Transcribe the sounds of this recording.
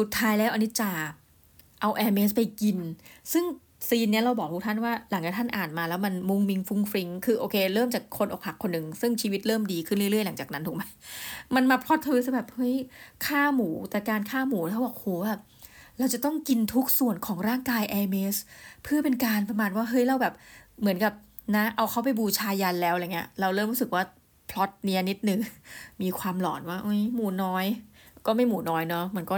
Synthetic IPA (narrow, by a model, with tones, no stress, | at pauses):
su˨˩t̪ʰːaː˦˥jlɛː˦˥wʔa˧nːi˦˥t͡ɕaː˨˩ | ʔa˧wʔɛː˧meː˦˥s̬pa˧jki˧nsɯ˥˩ŋ | siː˧nːi˦˥ɐɾa˧wbɔː˨˩k̚tʰu˦˥kt̪ʰa˥˩nwaː˥˩la˩˦ŋt͡ɕaː˨˩t̪ʰa˥˩nʔaː˨˩nmaː˧lɛː˦˥wma˧nmu˧ŋmi˧ŋfu˦˥ŋfɾi˧ŋkʰɯː˧ʔoː˧kʰeː˧ɾɤː˥˩mt͡ɕaː˨˩kʰːo˧nʔoː˨˩k̚ha˨˩kʰːo˧nːɯ˨˩ŋsɯ˥˩ŋt͡ɕʰiː˧wi˦˥t̪̚ɾɤː˥˩mdiː˧kʰɯ˥˩nlɯ˥˩ɾɯ˥˩əjla˩˦ŋt͡ɕaː˨˩k̚na˦˥t̪ʰuː˨˩kma˦˥jma˧nmaː˧pʰɾɔ˦˥t̪ʰːɤː˧s̬ɯ˧˥˩bɛː˨˩p̚hɤ˦˥jkʰaː˥˩muː˩˦t̪ɛː˨˩kaː˧nkʰaː˥˩muː˩˦lɛː˦˥˩wbɔː˨˩k̚hoː˨˩˦ba˧˩p̚ | ɾa˧wt͡ɕa˨˩t̪ɔ˥˩ŋki˧nt̪ʰu˦˥k̚su˨˩ənkʰɔː˩˦ŋɾaː˥˩ŋkaː˧jʔɛː˧me˧˦˥spʰɯ˥˩ɐpe˧nkaː˧npɾa˧maː˨˩n̚waː˥˩ɦɤ˦˥jɾa˧wbɛː˨˩p̚mɯ˩˦nka˨˩p̚ | na˦˥ʔa˧wkʰa˦˥wp̬a˨jbuː˧t͡ɕʰaː˧ja˧nlɛː˦˥wʔŋːi˦˥ɐɾa˧wɾɤː˥˩mɾu˦˥sɯ˨˩k̚waː˥˩ | pʰlɔ˦˥t̪̚ni˧˥əni˦˥t̪̚nɯ˨˧˩ŋmiː˧kʰwaː˧mlɔ̰ː˩˦nwaː˥˩ʔo˦˥˩jmuː˩˦nɔː˦˥jkɔː˥˩ma˥˩jmuː˩˦nɔː˦˥jnɔ˦˥ma˧nkɔː˥˩